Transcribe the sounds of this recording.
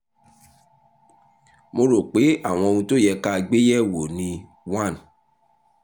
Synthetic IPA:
mo˧ɾo˨k͡pe˨˦a˦˨w̃ɔ̃˧o˧ũ˧to˦˨jɛ˧ka˦˧ɡ͡be˦jɛ˦wo˨nĩ˧ | wã˦˨n

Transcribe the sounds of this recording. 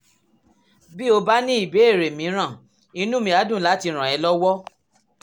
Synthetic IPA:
bi˦o˧ba˦nĩ˦i˦˨be˨˦e˦˨ɾe˨mĩ˨˦ɾ̃ã˦˨ | i˧nũ˦mĩ˧˦˨a˨˦dũ˦˨la˨˦ti˧ɾ̃ã˨ɛ˨˧˦lɔ˦wɔ˦

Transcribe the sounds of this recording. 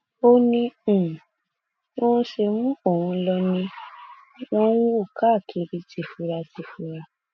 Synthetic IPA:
o˧nĩ˧˨˦ | ɔ̃˦ʃe˧mũ˦o˦˨hũ˧lɔ˧nĩ˧ | wɔ̃˦o˦˨ka˦˨kʰi˧˦ɾi˧˦tʰi˧˨fu˧ɾa˧ti˧fu˧ɾa˧

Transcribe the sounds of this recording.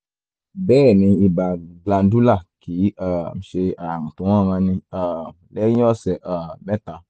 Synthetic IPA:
bɛː˦˨mĩ˧i˧ba˨ɡla˧ndu˦la˦˨ki˨˦a˦˨m̩˨˦ʃe˧a˨ŋũ˨tũ˨˦ã˦˨ŋã˧nĩ˧a˨ | lɛ̃˦ɔ˦sɛ˨ʔa˨bɛ˦ta˨˦

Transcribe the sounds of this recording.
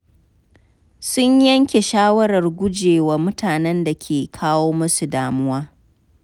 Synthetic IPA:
sʊ˦ɲjɐ˦ŋkʲe˨ʃaː˦wɐ˦ɽɐ˨rɡʷʊ˦d͡ʒeː˨waː˦mʊ˦tʰaː˨nɛ˦nda˨kʲʰeː˨kʰaː˦woː˦mʊ˦su˨daː˨mʊ˦waː˦

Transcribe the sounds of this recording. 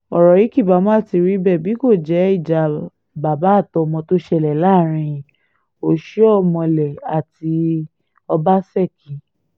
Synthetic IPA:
ɔ˨ɾɔ˨ji˨˦ki˦˨ba˨˦mɔ̃˦a˦˨ti˧ɾi˦bɛ˦˨bi˨˦ko˦˨d͡ʒɛ˨˦i˦˨d͡ʒa˨ | ba˨ba˨˦˨tɔ˧mɔ̃˧to˦ʃɛ˦˨lɛ˨la˦˨ɾ̃ĩ˧jĩ˨ | o˨ʃi˦ɔ˦˨mɔ̃˧lɛ˨a˨ti˧ | ɔ˧ba˦sɛ˦˨kĩ˨˦

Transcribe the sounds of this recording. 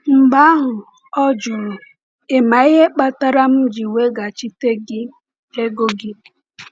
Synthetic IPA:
ŋ͡m̩˨ɡ͡ba˦ɦʊ˨ | ɔ˦d͡ʒʊ˨ɾʊ˨ | e˨ma˨ɪ˦ɦe˦k͡pa˦ta˦ɾa˦m̩˦d͡ʒi˨we˦ɡa˨t͡ʃi˦te˦ɡɪ˦ | e˦ɡo˦ɡɪ˦

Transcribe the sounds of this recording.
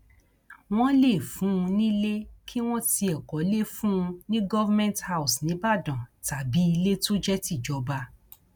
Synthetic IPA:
w̃ɔ̃˦le˦˨fũ˨˦ũ˧nĩ˦le˦kʰi˦w̃ɔ̃˦ti˧ɛ˨kɔ˨˦le˦fũ˦ũ˧nĩ˦ɡɔ˦va˦mɛ̃˦˨ntha˦u˨snĩ˨˦ba˦˨dã˨ta˨bi˨˦i˧le˦to˦d͡ʒɛ˦ti˦˨d͡ʒɔ˨˦ba˧

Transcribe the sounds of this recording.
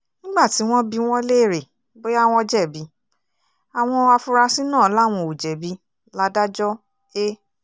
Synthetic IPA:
nĩ˦ɡ͡ba˦˨ti˨˦w̃ɔ̃˦bi˧w̃ɔ̃˦le˦˨ɾe˨ | be˦a˦w̃ɔ̃˧d͡ʒɛ˦˨bi˨˦ | a˨w̃ɔ̃˧a˧fu˧ɾa˧si˦nãː˦˨˦la˦˨w̃ɔ̃˧o˨d͡ʒɛ˨bi˧˦ | la˦˧da˦d͡ʒɔ˦ | e˦

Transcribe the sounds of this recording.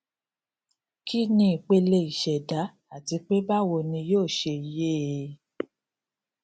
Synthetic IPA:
ki˦nĩ˧˦i˨k͡pe˧le˧i˨ʃɛ˨da˨˦ | a˨ti˨˧k͡pe˦ba˦wo˧nĩ˧joː˦˨ʃe˧i˨je˦˨˧

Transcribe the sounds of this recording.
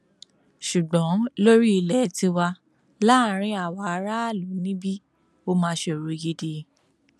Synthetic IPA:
ʃu˨ɡ͡bɔ̃˨˦lo˦ɾi˦i˧lɛ˨˦tĩ˧wa˧ | la˦˨˦ɾ̃ĩ˧˦a˨wa˨˦ɾa˦˨lo˨˦nĩ˦bi˦ | o˧mã˧ʃe˧o˨ɾo˧ɡe˧de˧˨

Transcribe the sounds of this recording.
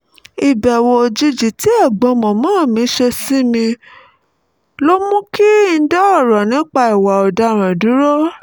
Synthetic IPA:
i˨bɛ˨wo˧o˧d͡ʒi˧d͡ʒi˨ti˨˦ɛ˦˨ɡ͡bɔ̃˧˦mɔ̃˨mãː˨˦˨mĩ˨˦ʃe˧si˦mĩ˧ | lo˦mũ˦ki˦n̩˦dɛ˦ɔ˦˨ɾɔ˨nĩ˨˦k͡pa˧i˨wa˨ɔ˨da˧ɾ̃ã˨du˨˦ɾo˦

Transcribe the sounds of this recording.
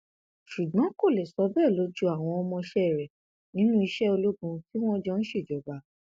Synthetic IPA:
ʃu˨ɡɔ̃˨˦ko˦˨le˨sɔ˧˦bɛ˦˨lo˨˦d͡ʒu˦a˦˨w̃ɔ̃˧ɔ˧mɔ̃˧ʃɛ˦˨ɾɛ˨ | nĩ˨˦nũ˦i˧ʃɛ˦o˧lo˦ɡũ˧ki˦w̃ɔ̃˦d͡ʒɔ˧ñ̩˦ʃe˦˨d͡ʒɔ˨ba˨˦

